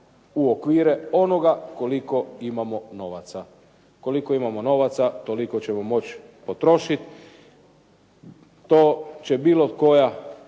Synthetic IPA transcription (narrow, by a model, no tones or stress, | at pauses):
uokʋiːɾe̞o̞no̞ɡako̞liko̞imamo̞no̞ʋat̪sa | ko̞likoimamo̞no̞ʋat̪sat̪o̞liko̞t͡ɕemo̞mo̞t͡ɕ | pot̪ɾo̞ʃit̪ | t̪oːt͡ɕe̞biːlˠoko̞ja